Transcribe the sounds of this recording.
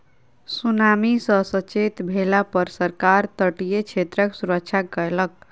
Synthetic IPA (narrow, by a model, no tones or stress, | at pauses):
sunamisə̃sət͡ʃet̪bʱelapəɾsəɾkaɾt̪əʈijet͡ʃʰet̪ɾəksuɾək̚t͡ʃʰakələk̚